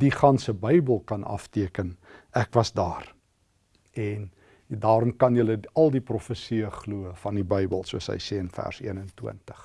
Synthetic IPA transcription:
diχɐnsəbəjbəlˠkɐnɐ̰ftiəkənækvɐsdɑːr | ɛn | dɑːɾɔmkɐnjələɐlˠdiprɔfəsiəχluəfɐndibəjbə̰lˠsuəsə̰jsɛːənfæ̰rsḭənəntwə̰ntə̥χ

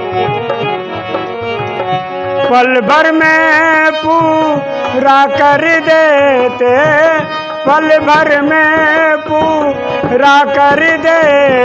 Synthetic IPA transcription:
pəlbʱəɾmẽpu | ɾakəɾid̪eːt̪e | pəlbʱəɾmepu | ɾakəɾid̪e

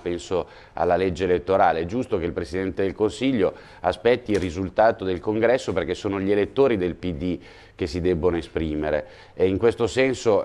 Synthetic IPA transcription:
pɛnso | a̰lːaled͡ʒːeːlet̪ːoɾaːleɛd͡ʒust̪okeilpɾesid̪ɛnt̪ed̪elkonsiʎːo | aspɛt̪ːiːlrrizult̪aːt̪od̪elkoŋɡɾɛsːoperk̟esːoːnoʎielet̪ːoːɾid̪elpid̪ːi | k̟esːid̪ɛbːonoespɾiːmeɾḛ | eiŋkwest̪osɛnso

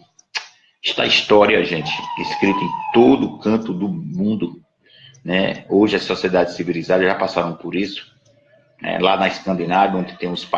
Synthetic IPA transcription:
iʃt̪a̰ist̪ɔɾiɐʒẽnt͡ʃ̪ɪ̥iskɾit̪ʊẽj̃t̪od̪ʊːkɐ̃t̪ʊd̪ʊmũnd̪ʊ | nɛoʒɪɐsːosied̪ad͡ʒɪssivilizad̪ɐʒapasaɾɐ̃w̃poɾisʊ̥ | nɛ̰lanɐɪskɐ̃nd̪inavɐõd͡ʒ̪ɪ̥t̪ẽmʊspa

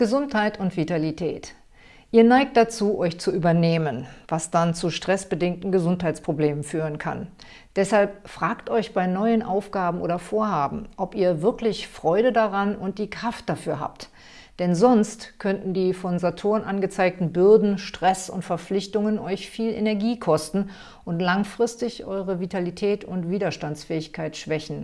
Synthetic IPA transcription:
ɡ̥əzʊnthaɪtʊntv̥italitʰɛ̰ːt | ʔiːɐnaɪk̚t̚d̥at͡suːʔɔʏçt͡suʔyːbɐneːmənvasd̥ant͡suʃtʁ̥ɛsb̥ədɪŋk̚tn̩ɡəzʊntɦaɪt͡spʁ̥obleːmənfyːʁ̞ənkʰa̰n | d̥ɛshalp̚fʁ̥aːktʔɔʏçb̥aɪnɔʏənʔaʊfɡ̥aːbm̩ʔo̰ːɾɐfoːɐhaːbm̩ʔɔpiːɐvɪɐklɪçfʁ̥ɔʏɾədaʁanʊnt̚d̥iːkʁ̥aft̚d̥afyːɐɦa̰ːp̚t | d̥ɛnzɔnstkʰœntn̩diːfɔnzatʰoːʁənʔanɡət͡saɪk̚tn̩bʏɐdn̩ʃtʁ̥ɛsʊ̰ntfɛɐflɪçtʊŋənʔɔʏçfiːlʔḛnɛɐɡiːkʰɔstn̩ | ʔʊntlaŋfʁ̥ɪstɪçʔɔʏʁəvitʰalitʰɛːtʰʊntv̥iːdɐʃtant͡sfɛːɪçkʰaɪtʃv̥ɛçn̩

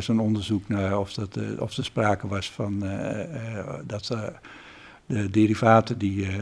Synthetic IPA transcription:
soːnondərzuknaɔftɔ̰fdəspraːkəʋɔsfɔn | dɔt | dədiɾivaːtədi

